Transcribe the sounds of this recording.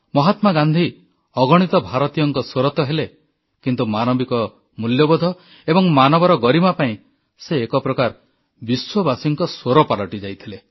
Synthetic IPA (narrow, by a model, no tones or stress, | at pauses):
mɔɦat̪maɡand̪ʱi | ɔɡɔɽ̃it̪ɔbʱaɾɔt̪ijɔŋkɔsoɾɔt̪ɔɦele | kint̪umanɔbikɔ | muljɔbɔd̪ʱɔ | ebɔŋmanɔbɔɾɔɡɔɾimapaĩ | seːkɔpɾɔkaɾ | biswɔbasiŋkɔswoɾɔpalɔʈid͡ʒajt̪ʰile